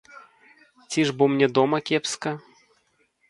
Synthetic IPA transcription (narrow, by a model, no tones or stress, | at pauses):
t͡sʲiʐbɔmnʲɛd̪ɔmɐkʲɛpskɐ